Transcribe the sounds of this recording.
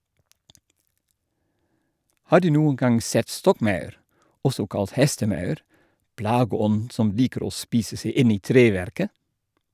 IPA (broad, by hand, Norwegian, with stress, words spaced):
ˈhɑː ˈdʉː ˈnuːəŋ ˈɡɑŋ ˈsɛt ˈstɔkˌmɑʉɾ ˈɔsɔ ˈkɑlt ˈhɛstəˌmɑʉɾ ˈplɑːɡəˌɔnn̩ ˈsɔm ˈliːkəɾ ˈoː ˈspiːsə ˈseɪ ˈɪn ˈiː ˈtɾeːˌʋɛɾkə